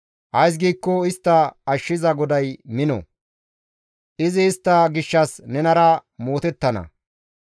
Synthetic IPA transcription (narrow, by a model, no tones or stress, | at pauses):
hɐjs̬ɡiːkːɔɪst̪ːɐːʃːɪzɐɡɔd̪ɐjmɪnɔ̰ | ʔɪzɪːst̪ːɐɡɪʃːɐsnɛnɐɾɐmo̞ːt̪ɛt̪ːɐnɐ̰